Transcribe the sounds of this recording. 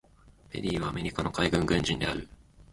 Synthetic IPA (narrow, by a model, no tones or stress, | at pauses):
be̞̰ɾʲiːβaːme̞ɾʲikanokaiɡɯ̟̃ŋɡɯ̟̃ɲ̟d͡ʑĩnd̪e̞aɾɯ̟